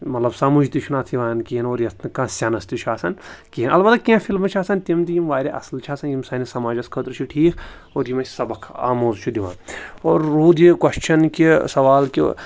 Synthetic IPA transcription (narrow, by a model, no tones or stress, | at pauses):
mɐt̪lɐbsaːmud͡ʒt̪it͡ʃʰunaːt̪ʰiʋaːnkiɦinoːɾjɐskãːsʲanɐst̪it͡ʃʰuaːsɐnkiinɐlbɐt̪kʲẽfʰilmɐt͡ʃʰaːsɐnt̪imt̪ijimʋaːɾʲiʔɐ̰slt͡ʃʰaːsɐnjimsɐːnisɐmaːd͡ʒɐskʰət̪ɾt͡ʃʰiʈʰiːkʰ | oːɾjimɐ̥sɐbɐkʰa̰ːmoːzt͡ʃʰud̪iʋã̰ːnoːɾːuːd̪ikwɐst͡ʃʰɐnkisɐʋaːlki